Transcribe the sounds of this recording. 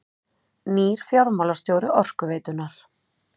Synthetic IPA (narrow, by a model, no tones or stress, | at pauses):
niːɾ̥fjawɾmawlast̪joːwɾɪʔɔr̥kʏveːt̪ʏnaɾ̥